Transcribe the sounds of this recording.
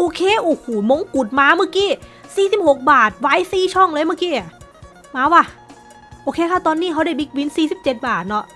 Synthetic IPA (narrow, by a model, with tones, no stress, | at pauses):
ʔoː˧kʰeː˧˨ʔoː˨˩huː˨˩mo˧˦ŋku˨˩t̪̚maː˧˥mɯ˧˥˩kiː˧˥˩siː˨˩si˨˩p̚ho˨˩k̚baː˨˩t̪̚waː˧˥jsiː˧˩t͡ɕʰɔ˥˩ŋlɤː˧˥jmɯ˧˥˨kiː˧˥˩ʔa˨˩ | maː˧˥wa˧˩ | ʔoː˧kʰeː˧kʰaː˥˩t̪ɔː˧nːiː˧˥˩kʰa˧˥wɾa˧˩jbi˧˥k̚wi˧˦˥nsiː˨˩si˨˦p̚t͡ɕe˨˩t̪̚baː˨˩t̪̚nɔ˧˥ʔ